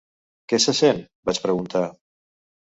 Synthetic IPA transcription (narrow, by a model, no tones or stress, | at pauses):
kɛsəsen | bat͡ʃpɾəɣunt̪a